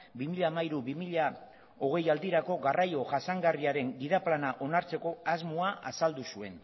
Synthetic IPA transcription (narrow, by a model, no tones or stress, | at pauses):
bimiʎaːmaiɾuβimiʎa | o̞ɣ̞e̞jald̪iɾako̞ɣarajo̞ʝasaŋɡariaɾe̞ŋɡiðaplanaʔo̞naɾt͡se̞ko̞azmuaasald̪usue̞n